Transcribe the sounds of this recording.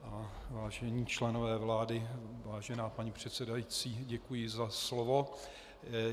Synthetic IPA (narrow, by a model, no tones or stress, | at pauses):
ʔavaːʒɛɲiːt͡ʃlɛnovɛːvlaːdɪvaːʒɛnaːpaɲipr̝̥ɛt̪sɛdajit͡siːɟɛkujɪzaslovo̞